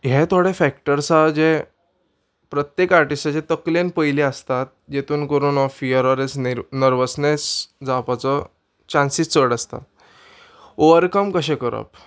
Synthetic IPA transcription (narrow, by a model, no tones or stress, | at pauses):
ɦet̪ʰoɽefæk̚ʈəɾsad͡ʑe | pɾət̪jekaɾʈisʈat͡ɕet̪əklenpəjleəst̪at̪̚d͡ʑet̪ʰuːnkəɾuːnɔfiəɾɔɾesnəɾʋəsnesd͡zapat͡sə | t͡ɕãnsiːst͡səɽast̪a̰t̪̚ | oʋəɾkəmkəɕɛ̃kəɾə̰p̚